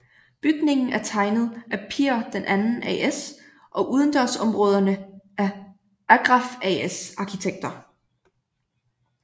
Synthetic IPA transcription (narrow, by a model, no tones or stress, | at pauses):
b̥yɡ̥ne̝ŋn̩æɐt͡sʰɑ̈ɪnð̞̩ˠʔæpʰiɐd̥enʔænn̩ʔḛes | ʔɒ̽ʔuð̞ˠənd̥ɒsɒ̽mʁɔ̽ːð̞ˠɐnəæɐ | æɡ̥ʁɑ̈feesɑ̈kʰit͡sʰeɡ̥̚d̥ɐ